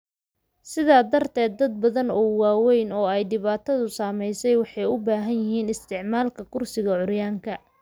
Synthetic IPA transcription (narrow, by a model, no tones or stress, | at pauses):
sɪðaːd̪ɐrt̪ʰɛːd̪̚ːɐd̪̚bɐðɐnɔːwaːwɛjnɔːɛjɖɪβaːt̪ʰɐðʊsaːmɛjsɛjwɑħɑjʊbaːɦɐnjɪɦiːnɪst̪ʰɪʕmaːlkʰɐkʰʊrsɪɣɐʕʊrjaːŋkʰɐ